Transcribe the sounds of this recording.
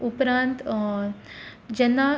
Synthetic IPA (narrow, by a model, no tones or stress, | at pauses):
upɾãːnt̪ | d͡ʑɐnːa